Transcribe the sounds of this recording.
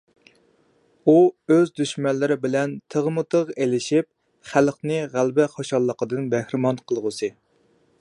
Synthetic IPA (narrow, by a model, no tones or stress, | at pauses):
uøzd̪yʃmɛnlːɪɾɪbɪlɛnt̪ʰəʁmɨt̪ʰəʁelɪʃip̚ | χælχnɨʁælbɪχoʃɑlˠːəqəd̪ɨnbɛhɾɪmɑnqʰəlˠʁʊsɨ